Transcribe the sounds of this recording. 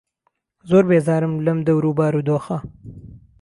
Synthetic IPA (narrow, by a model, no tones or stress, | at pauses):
zoːɾbezɑːɾɪmləmd̪ɐwɾubɑːɾud̪oːxa